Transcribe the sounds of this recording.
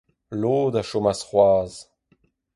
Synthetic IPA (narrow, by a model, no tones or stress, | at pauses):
loːd̪aʃomasχwaːz